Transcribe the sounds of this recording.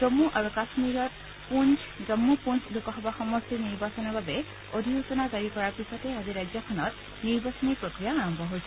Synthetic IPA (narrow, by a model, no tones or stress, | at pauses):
zɔmːuʔaɹukasmiɹɔt̚ | punz | zɔmːupunsdukɔɦɔbaxɔmɔstiniɹbasɔnɔɹbabɛ | odʱiusɔnazaɹikɔɹaɹpisɔtɛaziɹajzjɔkʰɔnɔt | niɹbasɔniɹpɹokɹijaːɹɔmbʱɔɦojsɛ